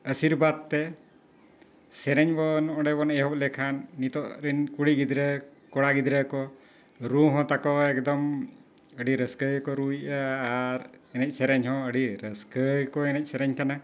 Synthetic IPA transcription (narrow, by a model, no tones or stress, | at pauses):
əsiɾbad̪̚t̪ɛ | sɛɾɛɲbɔnɔ̃ɖɛbɔnɛɦɔp̚lɛkʰanːit̪ɔʔɾinkuɽiɡid̪ɾəkɔɽaɡid̪ɾəkɔ | ɾuɦɔ̃t̪akɔɛkd̪ɔm | əɖiɾəskəjkɔɾujʔəaɾɛnɛc̚ˀsɛɾɛɲɦɔ̃əɖiɾəskəjkɔɛnɛc̚sɛɾɛɲkana